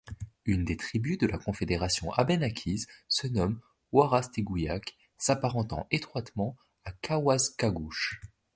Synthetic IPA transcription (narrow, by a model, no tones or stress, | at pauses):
ynd̪et̪χibyd̪əlakɔ̃fed̪eʁasjɔ̃ʔabɛnakʲʰizsənɔm | waʁast̪eɡujak | sapaʁɑ̃t̪ɑ̰̃ʔet̪χwat̪mɑ̃ | akawazkaɡuʃ